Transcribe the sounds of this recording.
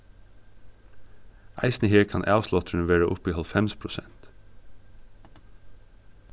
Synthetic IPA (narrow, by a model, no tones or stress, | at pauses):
ʔæ̰ɪsn̩əheːɹkʰɑ̰nʔæ̰ːslɔt̪ʰɾɳʋeːɹəʔʊpiːhɑlfɛmspʰɹʊsɛnt̪